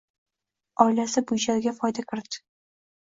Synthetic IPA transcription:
ɒjlasɪbʊjd͡ʒalɡʲafɒjd̪akʲʰɪɾd̪ɪ̥

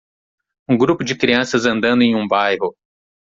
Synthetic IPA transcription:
ũɡɾupʊd͡ʒɪkɾiɐ̃sɐzɐ̃nd̪ɐ̃nd̪ʊẽj̃ũbajɦʊ

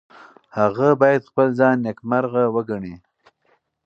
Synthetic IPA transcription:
haɣabɑjad̪xpəlzɑnjakmaɾɣawəɡaɳi

